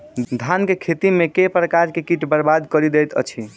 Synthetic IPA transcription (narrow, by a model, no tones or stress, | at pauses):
d̪ʱankekʰet̪imekepɾəkaɾkekiʈbəɾbad̪kəɾid̪ejt̪ə̰t͡ʃʰi